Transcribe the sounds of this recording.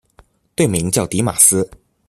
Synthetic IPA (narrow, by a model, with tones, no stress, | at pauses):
t̪we˥˩ɪmi˧˥ŋt͡ɕjɑ˥˩ʊt̪i˧˥ma˨˩sɹ̩˥